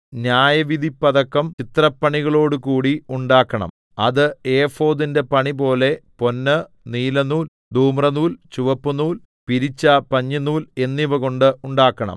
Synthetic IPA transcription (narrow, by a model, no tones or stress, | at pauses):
njaːjɐʋid̪ʱipːɐðɐkːɐmt͡ɕit̪rɐpːɐɳiɣɐɭo̞ːɽukuːɽiuɳɖaːkːɐɳɐ̰m | ɐðɨeːfo̞ːðinde̞pɐɳip̬o̞ːle̞po̞nːɨ | niːlɐnuːl | d̪ʱuːmrɐnuːlt͡ɕuʋɐpːɨnuːl | piɾit͡ɕːɐpɐɲːɐnuːle̞nːiʋɐɣo̞ɳɖɨuɳɖaːkːɐɳɐ̰m